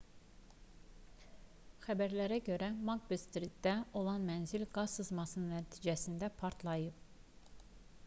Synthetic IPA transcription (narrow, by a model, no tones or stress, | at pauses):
xæbæɾlæɾæɟøɾæmɑɡbest̪ɾid̪d̪æo̞lˠɑnmænzilʲɡɑssɯzmɑsɯnnːæt̪ʰid͡ʒæsind̪æpʰɑɾt̪ʰlˠɑjɯp